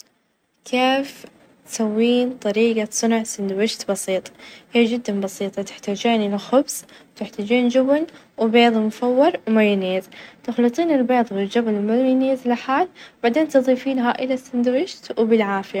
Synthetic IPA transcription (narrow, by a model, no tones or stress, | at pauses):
kʰeːf | t̪sawːiːnt̪ˤɑɾiːɡasˤɨnʕsɪnd̪wɪʃt̪bɑsiːt̪ˤhiːd͡ʒɪd̪ːambɑsiːt̪ˤɑt̪ɪ̥ħt̪aːd͡ʒaːnlaxʊbsˤ | t̪ɪħt̪aːd͡ʒiːnd͡ʒɪbn | wɪbeːðˤmʊfawːɪɾˤwmajɪneːzt̪ɪxlɨt̪ˤiːnɪlbeːðˤwɪld͡ʒabalmajneːzlaħaːlbaʕd̪eːnt̪ɨðˤiːfiːnɦaːʔɪlasːɪnd̪ʊwɪʃt̪wbɪlʕaːfɪja